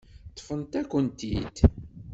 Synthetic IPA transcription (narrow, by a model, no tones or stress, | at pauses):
t̪ˤːfənt̪ækʷːənt̪ḭd̪